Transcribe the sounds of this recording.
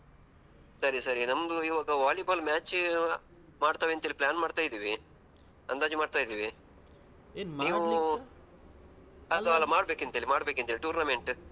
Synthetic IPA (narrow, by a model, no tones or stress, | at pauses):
sɐɾisɐɾinɐmd̪uiʋaːɡɐʋaːljɐbɐlmʲaːt͡ʃ | maːɽt̪aːʋent̪eliplʲaːnmaːɖt̪aːjid̪iːʋi | ɐnd̪aːd͡ʒimaːɖt̪aːjd̪iːʋi | niːʋu | ɐt̪ɐʋalɐmaːɽbeːkɐnt̪eːlimaːɽbeːkɐnt̪eliʈuːɾnɐmeɳʈ